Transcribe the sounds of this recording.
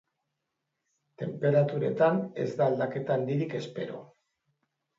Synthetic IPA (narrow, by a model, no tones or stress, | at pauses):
t̪e̞mpe̞ɾat̪uɾe̞̰t̪ane̞̰zd̪aːld̪ake̞t̪aːnd̪iɾike̞spe̞ɾo̞̰